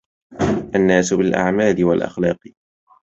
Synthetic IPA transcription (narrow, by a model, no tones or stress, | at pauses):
ʔanːaːsʊbɪlʔa̰ʕmaːlɪwalʔa̰xlɑːq